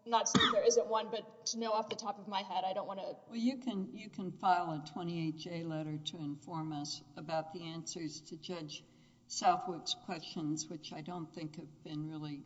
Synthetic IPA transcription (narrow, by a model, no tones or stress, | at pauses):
nətsĩŋðə˞ɪzɨ̃nʔwʌ̃nbʌtʰɨnoʊɔfðɨtʰɑpʌvmaɪɦɛɾaɪɾõʊ̃nʔwɑ̃nɨwɛlˠjɨkʰɨ̃njɨkʰɨ̃nfaɪlˠətʰw̥ɛ̃ɾ̃ieɪt͡ʃeɪlɛɾə˞ɾɨɨ̃ɱfɔɹmʌsəbaʊt̪̚ðiæ̃nsə˞z̥tʰɨd͡ʒʌd͡ʒ̥ | saʊθwəkskʰw̥ɛst͡ʃɨ̃nzwɨt͡ʃaɪdõʊ̃nθɪ̃ŋkhɨvbɨ̃nɹɪlˠi